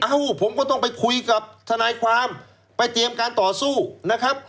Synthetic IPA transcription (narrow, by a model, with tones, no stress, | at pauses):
ʔa˧wpʰo˩˦mkɔː˥˩t̪̬ɔ˥˩ŋpa˧jkʰu˧jka˨˩p̚t̪ʰa˧naː˧jkʰwaː˧m | pa˧jt̪i˧əmkaː˧nt̪ɔː˨˩suː˥˩na˦˥kʰa˦˥p̚